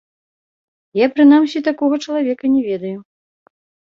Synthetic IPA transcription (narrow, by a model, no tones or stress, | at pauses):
japɾɨnamsʲit̪akɔɣɐt͡ʂɐlˠavʲɛkɐnʲɛvʲɛd̪ɐju